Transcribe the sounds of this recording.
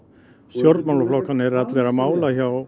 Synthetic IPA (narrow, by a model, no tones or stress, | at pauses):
sjɔɾt̪mawlaflɔkːanɛɾat̪leɾamaːwlaçaw